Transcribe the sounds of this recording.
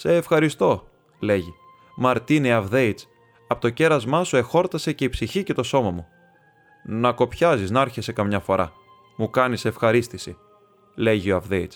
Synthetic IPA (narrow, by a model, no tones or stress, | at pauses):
se̞ːfxɐɾist̪o̞ | le̞ʝi | mɐɾt̪iniɐvðe̞it͡s | ɐpot̪o̞ce̞ɾɐzmɐsue̞xo̞ɾt̪ɐse̞ce̞ipsiçice̞t̪o̞so̞mɐmu | nɐko̞pçɐziznɐɐɾçe̞se̞kɐmɲɐfo̞ɾɐ̰ | mukɐnise̞fxɐɾist̪isi | le̞ʝio̞ɐvðe̞it͡s